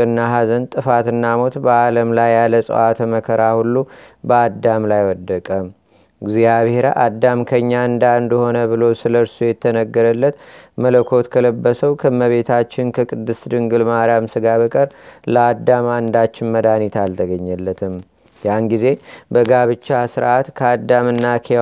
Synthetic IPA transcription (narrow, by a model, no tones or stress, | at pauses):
ɨnːaɦazənt̪ʼɨfat̪ɨnːamo̞t̪bəaləmlajːaləsʼə̰ʔat̪ʰəməkʰəɾahulːu | bəad̪ːamlajwɔd̪ːəkʼəm | ɡzijaβheɾa̰ʔad̪ːamkʰəɲːaɨnd̪aɨnd̪ho̞nəβɨlo̞sɨləɾsujɛt̪ʰːənəɡːəɾəlːət̪mələkʰo̞t̪kʰələbːəsəwkʰɨmːəβe̞t̪ʰat͡ʃːɪnkʰəkʼɨd̪ːɨsd̪ɨŋɡɨlmaɾjamsɨɡaβəkʼəɾləad̪ːamand̪at͡ʃːɪnməd̪anit̪ʰalt̪ʰəɡəɲːɛlːət̪ʰɨm | janɡize̞bəɡaβɨt͡ʃːasɨɾʔat̪kʰəad̪ːamɨnːakʰe